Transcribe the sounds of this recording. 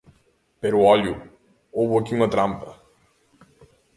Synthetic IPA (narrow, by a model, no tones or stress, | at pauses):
pɛɾuɔlju | obuɐkimɐt̪ɾampə